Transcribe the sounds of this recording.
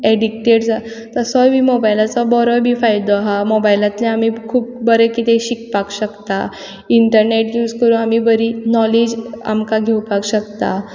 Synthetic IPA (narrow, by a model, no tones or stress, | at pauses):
eɖikʈeʈd͡za | t̪əsɔmiːmobajilat͡sɔbɔɾɔbʱiːfajd̪ɔaɦamobajilat̪leamiːkʰuːp̚bəɾekit̪eɕikpakɕəkt̪a | iɳʈəɾneʈjuːd͡zkəɾũamiːbəɾinɔlid͡ʑa̰mkaɡʱewpakɕəkt̪a